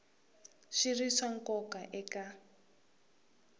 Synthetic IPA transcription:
ʃiriʂaŋkɔkaʔɛka

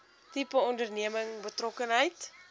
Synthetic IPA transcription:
tipəɔndərniəməŋbətrɔkənɦəjt

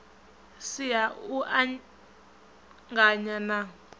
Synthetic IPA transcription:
sijauʔa | ŋɡaɲana

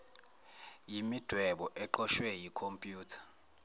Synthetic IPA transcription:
jimid̥ʱwɛɓɔʔɛǃɔʃwɛjikʰompʼjuːtʰḁ

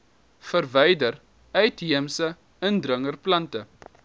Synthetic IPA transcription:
fərvɛjdər | œɥtɦiəmsə | əndrəŋərplɐntə

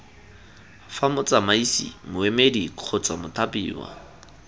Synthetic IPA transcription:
famʊt͡sʼamaisḭmʊemedikq͡χʰʊt͡sʼamʊtʰapʼḭːwa̰

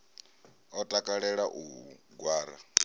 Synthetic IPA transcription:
ɔtʼakʼaɺɛɺaʔuɡwaːɾa̰

